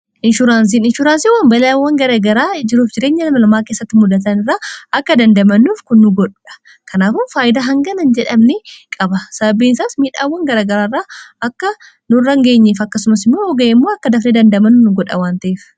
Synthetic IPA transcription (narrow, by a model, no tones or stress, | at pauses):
ʔɪnʃʊɾaːns̬iːnɪnʃʊɾaːnsiwaːmbɐlawːɐŋɡɐɾaɡɐɾaːd͡ʒɪɾuːfd͡ʒɪɾe̞ːɲːɐnɐmɐlɐmaːke̞ːsːɐt̪ːɪmʊd̪ɐt̪̬ɐnɪrːaːɐkːɐd̪ɐnd̪ɐmɐnːuːfkʊnːʊɡɔᶑʊᶑɐ̥ | kɐnaːfʊnfaːjɪd̪aɦɐŋɡɐnɐnd͡ʒɛᶑɐmnɛkʼɐbɐsɐbɐbiːnsaːsmiːᶑaːwːɐŋɡɐɾaːɡɐɾaːrːaːɐkːɐ | nʊrːɐŋɡe̞ːɲːeːfɐkːɐsʊmɐsɪmːoːɔɡɐɛmːo̞ːɐkːɐd̪ɐfned̪ɐnd̪ɐmɐnːʊnʊɡɔᶑɐ̰waːnt̪ɐʔeːf